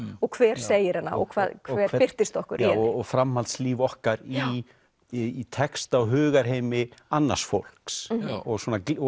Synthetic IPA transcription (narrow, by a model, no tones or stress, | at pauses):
ɔɣkʰvɛːɾ̥seːjɪɾhanːa̰ɔ̰ɣkʰvaːðkʰvɛːɾpɪr̥t̪ɪst̪ɔhkʏɾɔɔɣfɾamhalt̪sliːvɔhkaɾi | t̪ʰɛkst̪awɦʏːɣaɾ̥ɦeːjmɪanːa̰̥sfo̰wl̥ksɔɣswɔːna